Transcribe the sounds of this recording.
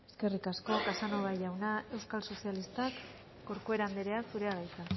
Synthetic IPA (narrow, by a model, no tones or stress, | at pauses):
e̞̥ske̞rikasko̞kasanoβajʝawnae̞wskalso̞sialist̪akː | o̞ɾkoe̞ɾand̪eɾe̞aksuɾe̞aɣajt̪a